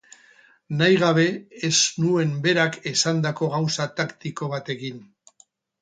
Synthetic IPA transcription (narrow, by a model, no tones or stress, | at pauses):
najɣaβ̞e̞eznue̞mbe̞ɾake̞sand̪ako̞ɣ̞awsat̪akt̪iko̞β̞at̪e̞ɣin